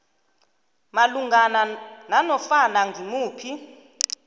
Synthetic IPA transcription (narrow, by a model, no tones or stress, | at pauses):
maluŋɡʱanananɔfanaŋɡʱimuːpʰi